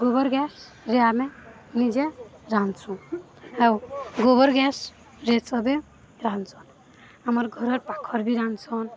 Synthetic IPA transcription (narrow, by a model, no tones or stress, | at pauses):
ɡobɔɾɡɛs | ɾeame | nid͡ʒeɾant͡ʃʰũ | ɦewɡobɔɾɡɛs | ɾesʌbe | ɾant͡sʰɔn | amɔɾɡʱɔɾɔɾpakʰɔɾbʱiɾant͡sʰɔn